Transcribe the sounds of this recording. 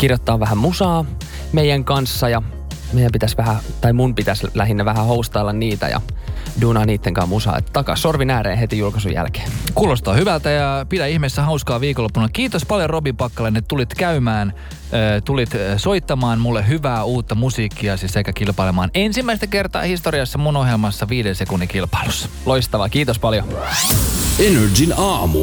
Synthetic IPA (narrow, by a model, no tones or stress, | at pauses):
kirjot̪ːɑːʋʋæhæmusɑː | meijæŋkɑnsːɑjɑ | meijæmpit̪æsʋæhæt̪ɑimumpit̪æslæɦinːæʋæhæhoust̪ɑilːɑnniːt̪æ̰jɑ̰ | duːnɑːniːt̪ːeŋkɑ̰ːmmusɑ̰ːḛt̪ːt̪ɑkɑ̰ssorʋinæːɾḛːɦet̪ijulkɑsṵjæ̰lke̥ːnkuːlost̪ɑːhyʋælt̪æjɑpidæihmest̪ːæhɑuskɑːʋiːkolːopːunɑkiːt̪ospɑljorobimpɑkːɑlenːet̪ulit̪kæymæːn | øːt̪ulit̪soit̪ːɑmɑːnmulːeɦyʋæːuːt̪ːɑmusiːkːiɑsisekækilpɑilemɑːnensimːæist̪ækert̪ɑ̰ːhist̪oɾiɑsːɑmunohjelmɑsːɑʋiːdense̞kunːikilpɑ̥ilusːɑ̥loist̪ɑʋɑkiːt̪ospɑljo | enerd͡ʒinɑːmu